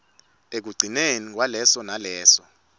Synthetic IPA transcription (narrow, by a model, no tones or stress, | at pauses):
ek̬uɡ͡ǀʱinenik̬walɛsɔnalɛːsɔ